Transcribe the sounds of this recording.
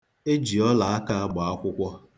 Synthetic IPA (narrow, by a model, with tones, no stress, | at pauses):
e˦d͡ʒi˨ɔ˦la˨a˦ka˦a˦ɡ͡ba˨a˦kʷʊ˦kʷɔ˦